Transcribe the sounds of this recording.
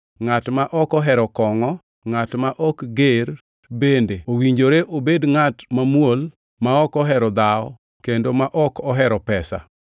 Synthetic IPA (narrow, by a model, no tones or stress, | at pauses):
ŋatmaʔɔkɔɦɛɾɔkɔŋɔ | ŋatmaʔɔkɡeɾ | bendeowiɲd͡ʒoɾeʔobedŋatmamwol | maɔkɔɦɛɾɔd̪aɔ | kendomaʔɔkɔɦɛɾɔpɛsa̰